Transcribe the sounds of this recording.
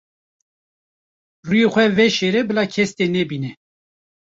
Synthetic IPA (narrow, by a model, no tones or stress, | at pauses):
rujexʷɛvɛʃeɾɛbɨlaːkʰɛst̪enɛbiːnɛ